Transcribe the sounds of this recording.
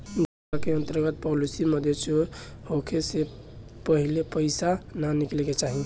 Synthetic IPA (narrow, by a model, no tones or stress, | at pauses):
d͡ʒəakeənt̪əɾɡət̪̚pɔlisiməd̪ʱesohokʰese | pəɦilepəɪsananikleket͡ʃaɦi